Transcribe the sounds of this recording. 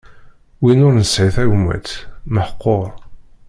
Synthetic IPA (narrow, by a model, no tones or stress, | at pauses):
winʊɾnəsʕiθæʝmːə̰t̪məħəqːoɾ